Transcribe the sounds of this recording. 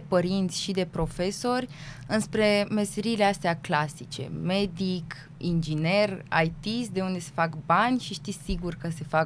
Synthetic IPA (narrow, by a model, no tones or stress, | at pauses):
pəɾint̪sʲʃid̪e̞pɾo̞fe̞so̞rʲ | ɨnspɾe̞me̞seɾiːleast̪eaklasit͡ʃe̞̰me̞d̪ik | ind͡ʒine̞ra̰jt̪ist̪̚d̪e̞und̪e̞se̞fakbanʲʃiʃt̪isiɡurkəse̞fak